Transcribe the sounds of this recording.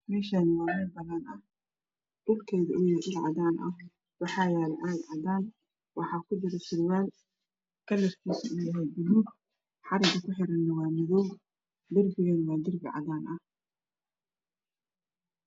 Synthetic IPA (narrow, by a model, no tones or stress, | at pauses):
mɛːʃanɐwɑːmɛlbɐlɐnʔɐh | dʊlkʰɛːjðɐʔʊjɪjɛʔɪlʕɑ̰ðaːnʔɐ̰h | wɑħɑːjaːlʕɑːlʕɑdaːn | wɑħɑːkʰʊd̪ɪɾɐʃɪɾwaːl | kʰɐlɛskʰiːsɐʊjɐɦɛjb̪ʊluːɡ | ħɑɾɪɡ̪ɐkʰʊħɪɾɐnːɐwɑːmɪðɔw | d̪ɪrbɪɣɐnwɑːd̪ɪrbɪʕɑ̰ðaːnʔɐh